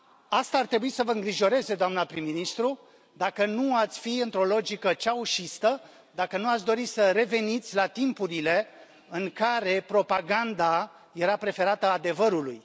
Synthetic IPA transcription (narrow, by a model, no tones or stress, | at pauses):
ast̪aːrt̪ɾe̞buisəvəɨŋɡɾiʒo̞ɾe̞ze̞d̪oamnapɾimːinist̪ɾu | d̪akənuat̪sʲfiɨnt̪ɾo̞lo̞d͡ʒikət͡ʃauʃist̪ə | d̪akənuat̪sʲd̪o̞ɾisəɾe̞ve̞nit̪sʲlat̪impuɾile̞ | ɨŋkaɾe̞pɾo̞paɡand̪a | je̞ɾapɾe̞fe̞ɾat̪əad̪e̞vəɾulṵj